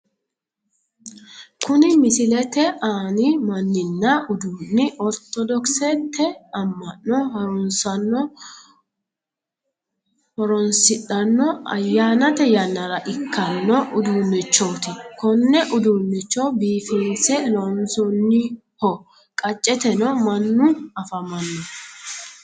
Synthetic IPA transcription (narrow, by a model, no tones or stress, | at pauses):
kʊnɪmɪsɪlɛt̪ɛʔaːnɪmɐnːɪnːɐʔʊd̪uːnːɪʔɔɾt̪ɔd̪ɔksɛt̪ʰːɛɐmːɐnːɔhɐɾʊnsɐnːɔ | hɔɾɔnsɪᶑɐnːɔɐ̰jːaːnɐt̪ɛjɐnːɐɾɐʔɪkːɐnːɔʔʊd̪uːnːɛt͡ʃːɔːt̪ɪkɔnːɛʔʊd̪uːnːɪt͡ʃːɔbiːfɪnsɛlɔnsɔnːɪ | hɔ | kʼɐt͡ʃʼːɛt̪ɛnɔmɐnːʊɐfɐmɐnːɔ